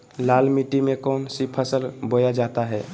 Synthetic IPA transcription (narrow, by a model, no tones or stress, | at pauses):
lalmiʈimẽkɔːnsipʰəsəlbojad͡ʒat̪aɦɛ